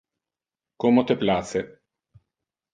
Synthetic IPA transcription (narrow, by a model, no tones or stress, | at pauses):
komot̪eplaːt̪se